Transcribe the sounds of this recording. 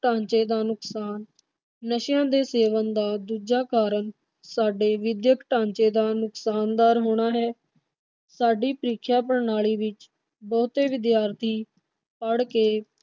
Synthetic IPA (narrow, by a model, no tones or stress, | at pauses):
ʈãːɲt͡ʃeːd̪aːnʊksaːnː | əʃjãːd̪eːseːʋənd̪aːd̪uːd͡ʒaːkaːɾəɳ | saːɖeːʋɪd̪jəkʈãːɲt͡ʃeːd̪aːnʊksaːnd̪aːɾɦoːɽ̃aːɦɛː | saːɖiːpəɾiːkʰjaːp̬əɽnaːɭiːʋɪt͡ʃ | bɔːt̪eːʋɪd̪jaːɾt̪ʰiː | pəɽkeː